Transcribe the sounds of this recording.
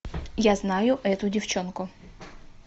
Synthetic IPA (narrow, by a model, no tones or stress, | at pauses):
jaznajʊʔɛt̪ʊdʲɪft͡ɕonkʊ